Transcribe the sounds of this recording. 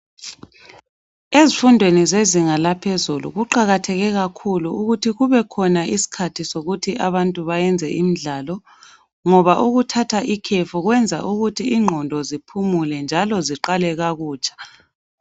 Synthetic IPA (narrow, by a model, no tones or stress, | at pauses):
ezifundʱwenizeziŋalapʰezulṵɣuǃaɣatʰɛɣɛɣakʰuluuɣutʰiɣuβɛkʰɔnaisi̥kʰatʰisoɣutʰiʔaβantʼuβajɛnd͡zʱɛʔim̩ɮaːlɔ | ŋɔβaʔuɣutʰatʰaʔikʰefuɣwɛnd͡zʱa̰ʔuɣutʰiːŋ͡ǃʱɔndʱɔzipʰumulɛnd͡ʒʱalɔziǃalɛɣaɣuːt͡ʃʼḁ